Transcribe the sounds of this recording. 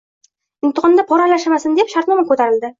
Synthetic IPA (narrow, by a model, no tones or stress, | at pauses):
ɪnt̪ə̆qɑnd̪ɑpɒɾælæʃmasɘnd̪epʃaɾt̪nɒmɤkʉt̪æɾɘ̆ld̪ɘ